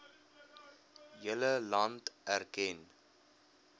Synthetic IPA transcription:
jələlɑntærkɛn

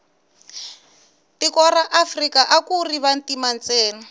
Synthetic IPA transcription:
tikɔraʔafrikaʔakuriβantimant͡sɛːna

